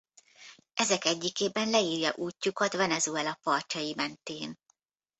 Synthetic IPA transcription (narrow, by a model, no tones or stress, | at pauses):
ʔɛzɛkɛɟːikeːbɛnlɛiːrjɒʔuːcːukɒt̪ʋɛnɛzuɛlɒpɒrt͡ʃɒjimɛnt̪eːn